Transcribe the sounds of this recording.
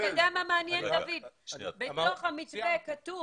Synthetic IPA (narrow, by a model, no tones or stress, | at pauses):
oɡeamameanjend̪avid̪beto̞χhamit͡svekatu